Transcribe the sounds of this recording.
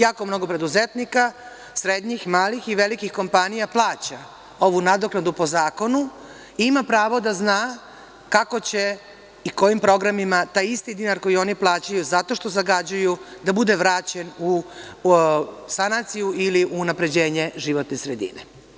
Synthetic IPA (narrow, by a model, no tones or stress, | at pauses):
jaːko̞mno̞ɡo̞pɾe̞d̪uze̞t̪nika | sɾed̪ɲixmaːlixiʋe̞likixko̞mpanijaplˠaːt͡ɕa | o̞ʋunad̪o̞klad̪upo̞zaːko̞nu | iimapɾaːʋo̞d̪aznaː | kako̞t͡ɕe̞ | iko̞jimpɾo̞ɡɾamimat̪aːjist̪id̪inaɾko̞jio̞niplˠaːt͡ɕajuzat̪o̞ʃt̪o̞zaɡad͡ʑajud̪abud̪eʋɾaːt͡ɕenu | sanat̪sijuʔiliʔuːnapɾe̞d͡ʑe̞ːɲe̞ʒiʋo̞t̪nesɾed̪ḭnḛ